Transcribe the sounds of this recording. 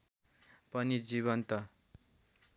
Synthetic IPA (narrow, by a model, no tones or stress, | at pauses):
pʌnid͡ziβʌnt̪ʌ